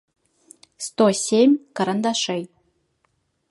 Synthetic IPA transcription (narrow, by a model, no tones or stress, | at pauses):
st̪osʲemʲkɐɾənd̪aʂej